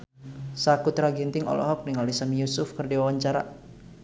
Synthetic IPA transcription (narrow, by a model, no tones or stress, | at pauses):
sakut̪ɾaɡint̪ɪŋɔ̰lɔ̰ɦɔk̚niŋalisamijusʊfkərdiwawaɲt͡ʃaɾa̰